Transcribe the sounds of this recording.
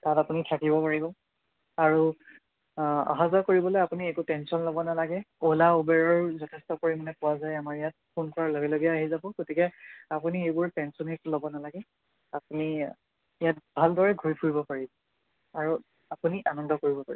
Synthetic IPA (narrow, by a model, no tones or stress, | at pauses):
tatapunitʰakibɔpaɹibɔ | aɹu | a̰ɦazɔkoɹibɔlojapuniɛkutɛnsɔnlobɔnalaɡɛolaubɛɹɔɹzɔtʰɛstɔkoɹimɔnɛpʊwazajamaɹijat̚pʰunkɔɹaloɡɛloɡiaːɦizabʊ̃ɡotikɛapuniejbʊɹtɛnsɔnitlobɔnalaɡɛ | apuni | ijat̚bʱaldɔɹɛɡʱuɹipʰuɹibɔpaɹibɔ | aɹu | apuniʔanɔndʱɔkoɹibɔpa̰ɹib